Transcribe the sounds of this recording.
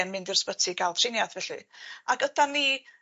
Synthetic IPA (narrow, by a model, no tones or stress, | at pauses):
ɛnmɪndɪrspətʰiɡalˠtʰrɪnjadvɛɬɨ̰aɡədanːi